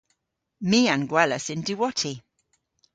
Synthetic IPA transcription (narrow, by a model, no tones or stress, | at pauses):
miːãnɡwɛləsɪ̃ndiwɔtʰi